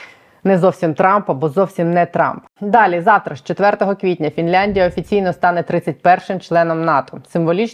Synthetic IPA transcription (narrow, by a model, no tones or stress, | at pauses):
nɛzɔwsʲimt̪ɾɑmpɐbɔzɔwsʲimnɛt̪ɾɑ̰mp | d̪ɑlʲizɑwt̪ɾɐʃt͡ʃɔt̪ʋɛrt̪ɔɦɔkʋʲit̚ʲnʲɐfʲinlʲanʲdʲijɐɔfʲit͡sʲijnɔst̪ɑnɛt̪ɾɪt͡sʲːɐt̚ʲpɛrʃɪmt͡ʃlˠɛnɔmnɑt̪ɔ̥sɪmʋɔlʲit͡ʃ